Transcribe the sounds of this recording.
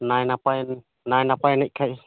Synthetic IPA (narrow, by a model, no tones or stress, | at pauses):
najnapajn | najnapajnaʔkʰaʔ